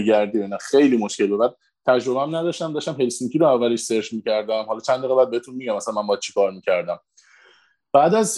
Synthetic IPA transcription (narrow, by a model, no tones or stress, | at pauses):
ɡæɾd̪iːinæxejliːmoʃce̞lbebæːd̪̚ | t̪ʰæd͡ʒɾo̞bææmnæd̪ɒʃt̪æmd̪ɒːʃt̪æmɦe̞lsiŋcʰiɾoævːæleʃseɾfmiːcæɾd̪æmhɒlɒt͡ʃʰænd̪iːɣebæːd̪̚be̞et̪ʰunmiɟæmæsælæmæmbɒjæd̪t͡ʃʰe̥kɒːɾmiːcʰæɾd̪æm | b̥æːd̪æz